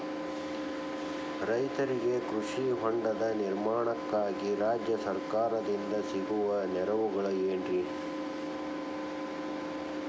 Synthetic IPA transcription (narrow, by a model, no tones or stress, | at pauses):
ɾɐjt̪ɐɾiɡe̞kɾuʂiɦɔɳɖɐd̪ɐniɾmaːɳɐkːaːɡiɾaːd͡ʒjɐsɐɾkaːɾɐd̪ind̪ɐsiɡuʋɐnɛɾɐʋuɡɐɭɐeːɳri